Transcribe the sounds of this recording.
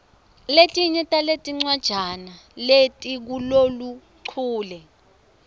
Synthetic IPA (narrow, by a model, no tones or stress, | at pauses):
letʼiɲɛtʼaletʼiŋ͡ǀwad̥ʒ̥ʱana | letʼik̬ulolu | ǀʰuːlɛ